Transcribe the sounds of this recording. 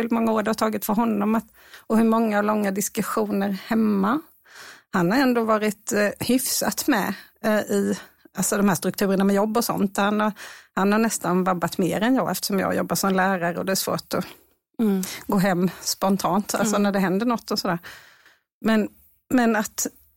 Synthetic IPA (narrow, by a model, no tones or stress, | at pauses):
ɪlmɔŋːaoːɾdhat̪ʰɑːɡɪt̪fœɾɦɔnːɔmat̪ | ɔhɵɾmɔŋːalɔŋːad̪ɪskɵɧuːnəɾhɛmːa | hanhaɾɛnd̪oːvɑːɾɪt̪hʏfsa̰t̪mɛ̰ | ɪʔalsɔd̪ɔmhæːʂt̪ɾɵkt̪ʰʉ̟ːɾəɳamɛjɔbːɔsɔ̰nt̪hanhaɾhanhaɳɛst̪anvabːat̪meːɾɛnjɑːɡɛft̪ə̥ʂɔmjɑ̰ːjɔ̰bːaʂɔmlæːɾaɾəɔd̪ɛːʂv̥o̰ːʈ̪ɔ | ɡoːɦɛmːspɔnt̪ʰɑːnt̪a̰lsɔnæɖɛɦɛnd̪əɳɔt̪ːɔsɔd̪æːɾ | mɛn | mɛnat̪